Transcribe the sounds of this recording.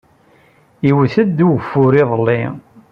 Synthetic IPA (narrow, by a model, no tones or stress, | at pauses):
iwθəd̪ːuwəfːʊɾiðˤəlːḭ